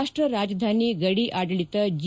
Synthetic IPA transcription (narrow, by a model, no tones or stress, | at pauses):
ʂʈɾɐɾaːd͡ʒɐd̪ʱaːniɡɐɽiʔaːɽɐɭit̪ɐd͡ʒ